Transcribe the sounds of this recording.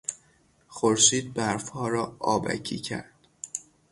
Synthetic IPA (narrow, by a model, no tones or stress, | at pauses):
xoɾʃiːd̪̚bæɾfhɒːɾɒːʔɒːbæ̰cʰḭːcʰæ̰ɾd̪̥